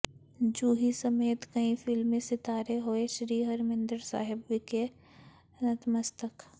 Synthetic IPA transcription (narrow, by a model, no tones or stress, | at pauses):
d͡ʒuːɦisɐmeːt̪kɐĩfʰɪlmẽsɪt̪aːɾeɦoːeʃɾiːɦɐɾmɪ̃nd̪əɾsa̰ːɦɪbʋɪke | nɐt̪mɐst̪ək